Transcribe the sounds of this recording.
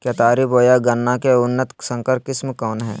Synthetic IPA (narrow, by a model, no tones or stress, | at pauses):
kjat̪aːɾiboːjaɡɐnːakeʊnːət̪sə̃ŋkəɾkɪsmkɔːnɦɛ̰̃ː